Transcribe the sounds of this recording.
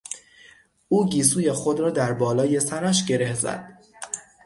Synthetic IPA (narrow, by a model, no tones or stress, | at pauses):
ʔuːɟiːs̬uːje̞xo̞d̪ɾɒːd̪æɾbɒːlɒːje̞sæɾæʃɟe̞ɾe̞hzæ̰d̪̥